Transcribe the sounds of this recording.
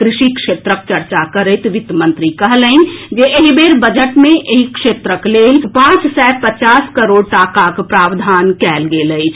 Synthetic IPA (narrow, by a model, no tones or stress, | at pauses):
kɾiʃikʃet̪ɾəkt͡ʃəɾt͡ʃakəɾəjt̪ʋit̪mənt̪ɾikəɦləɪn̆d͡ʒeʔeɦibeɾbəd͡ʒəʈmeʔeɦikʃet̪ɾəklelpãt͡ʃsɛepət͡ʃaskəɾoɽ̚ʈakakpɾaʋd̪ʱankɛlɡeləɪt͡ʃʰ